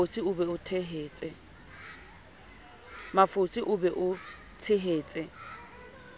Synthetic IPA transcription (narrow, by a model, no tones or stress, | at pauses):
siʊbɛʊtʰeɦeːt͡sʼɛ | mafosiʔʊbɛʔʊ | tʰeɦeːt͡sʼɛ